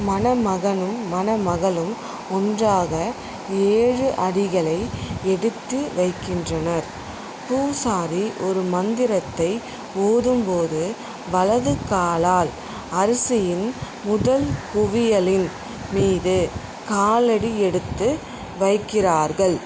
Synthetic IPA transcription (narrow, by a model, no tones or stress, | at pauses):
mɐnɐmɐɣɐnɯmːɐnɐmɐɣɐlɯm | ɔndraːɣɐ | eːɻɯʔɐɽɪɣɐɭɐɪɛɽɯt̪ːɯʋɐɪkːɪndrɐnɐɾ | puːsaːɾiʔɔɾɯmɐnd̪ɪɾɐt̪ːɐɪ | oːðɯmpoːðɯ | ʋɐlɐðɯkːaːlaːl | ɐɾɐsɪjɪn | mʊðɐlkʊʋɪjɐlɪn | miːðɯ | kaːlɐɽiɛɽɯt̪ːɯ | ʋɐɪkːɪraːɾɣɐɭ